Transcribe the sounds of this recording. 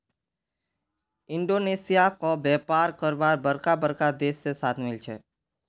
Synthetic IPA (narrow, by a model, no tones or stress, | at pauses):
ɪ̃ɳɖoːneːsijakobɛːpaːɾkəɾʋaːɾbəɾkabəɾkad̪eːsːesaːt̪ʰmɪlt͡ʃʰḛː